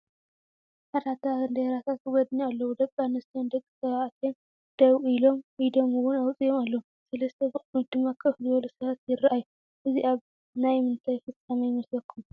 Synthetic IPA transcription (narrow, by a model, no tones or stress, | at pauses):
ħad̪at̪ʰːaɐnd̪ɐɾat̪ʰat̪ɨɡɔd̪nialːɐwud̪ɐkʼːanːɐst̪ʰond̪ɐkʼːisɐβaʔt̪ʰen | d̪̥ɐwilo̞mid̪omɨwʊnawt͡sʼijomalːɐum | sɐlɐst̪ʰebɨχʼid̪ɨmːakʰʼɨfzɨβɐlusɐβat̪jɪraʔajːu | ʔɨziʔaβ | najmɨnt̪ʰajfɨt͡sʼːamajmɐsɐkʰːum